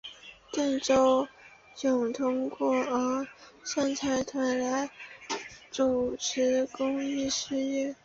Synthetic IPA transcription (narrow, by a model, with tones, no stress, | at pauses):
t̪ə˥˩nʈ͡ʂo˥ʊ | jʊ˨˩ŋt̪ʰʊ˥ŋkwɔ˥˩ə˧˥sa˥˩nt͡sʰa˧˥ɪt̪ʰwa˧˥nla˧˥ɪ | ʈ͡ʂu˨˩ʈ͡ʂʰɻ̩˧˥kʊ˥ŋi˥˧ʂɻ̩˥˧jɛ˥˩